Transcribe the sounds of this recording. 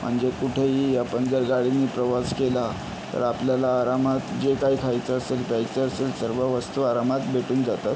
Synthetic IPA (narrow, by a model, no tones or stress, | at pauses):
m̤əɳd͡zekuʈʰeɦijapənd͡zəɾɡaɽiniːpɾəʋaskela | t̪ə̰ɾapljalaːɾamat̪d͡ʑekaikʰajt͡səəselpajt͡səəselsəɾʋəʋəst̪uaɾamat̪bʱeʈuːnd͡zat̪at̪